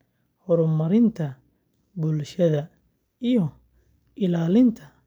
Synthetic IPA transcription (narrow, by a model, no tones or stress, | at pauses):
hɔɾʊmɐɾɪnt̪ʰɐ | bulʃɐðɐ | ijɔ | ʔɪlaːlɪnt̪ʰɐ